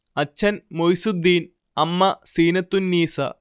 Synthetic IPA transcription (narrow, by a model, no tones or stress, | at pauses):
ɐt͡ɕʰːɐnmojsud̪ːiːn | ɐmːɐsiːnɐt̪ːunːiːsɐ̰